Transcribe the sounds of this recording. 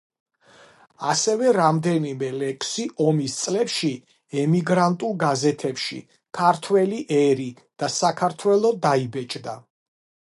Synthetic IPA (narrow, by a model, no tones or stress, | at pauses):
asɛvɛɾamd̪ɛnimɛlɛkʰsiʔɔmist̪sʼlɛpʃi | ɛmiɡɾant̪ʼulˠɡazɛt̪ʰɛpʃḭ | kʰaɾt̪ʰwɛliʔɛɾi | d̪̥asakʰaɾt̪ʰwɛlˠɔd̪aibɛt͡ʃʼd̪a